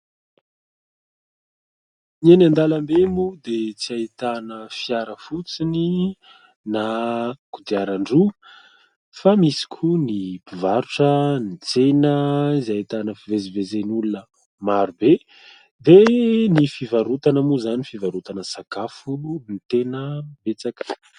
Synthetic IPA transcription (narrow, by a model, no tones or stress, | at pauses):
nienand̪alambemud̪et͡siait̪anəfiaɾəfut͡sini | nakud̪iaɾaɳɖ͡ʐu | famisi̥kʲʰunipivaɾuʈ͡ʂənit͡senəizait̪anəfivezivezenulunə | maɾube | d̪enifivaɾut̪anəmuzanifivaɾut̪anəsakafulunit̪enəbet͡sakə̥